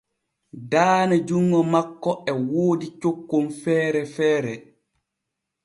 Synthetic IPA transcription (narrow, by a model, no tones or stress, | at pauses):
daːnad͡ʒuŋːɔmakːɔɛwoːdit͡ʃokːomfɛːɾɛfɛːɾɛ